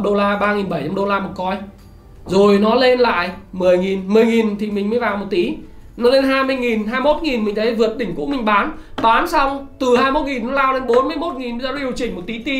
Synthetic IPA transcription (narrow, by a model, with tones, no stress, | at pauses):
ɗo˧laː˧ɓaː˧ŋi˨˩nɓə˧˩jt͡ɕa˧mɗo˧laː˧ma˨˩kɔ˧j | zo˨˩jnɔ˨˦le˧nla̰ː˧˨jʔmɨ˨˩əjŋi˨˩nmɨ˨˩əjŋi˨˩nt̪ʰi˨˩mï˨˩ŋ̟məː˨˦jvaː˨˩wmo˨˩t̚t̪i˨˦ | nɔ˨˦le˧nɦaː˧jmɨ˧əjŋi˨˩nɦaː˧jmo˦˥t̚ŋi˨˩nmï˨˩ŋ̟t̪ʰə˨˦vɨ˨˩ət̚ɗï˧˩ŋ̟kṵ˧˥ŋ͡mmï˨˩ŋ̟ɓaː˨˦nɓaː˨˦nsa˧wŋ͡mt̪ɨ˨˩haː˧jmo˦˥t̚ŋi˨˩n˨˦laː˧wle˨˧˦nɓo˨˦nmɨ˧əjmo˦˥t̚ŋi˨˩n˧˩zɔ˧˦ʔi˨˩əwt͡ɕï˧˩ŋ̟mo˨˩t̚t̪i˨˦t̪i˨˦